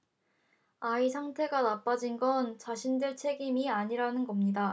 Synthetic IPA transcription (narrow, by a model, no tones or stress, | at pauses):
aisʰaŋtʰe̞ɡanap͈ad͡ʑinɡʌnt͡ɕaɕʰindɯɭt͡ɕʰe̞ɡimiaɲiɾanɯnɡʌmɲida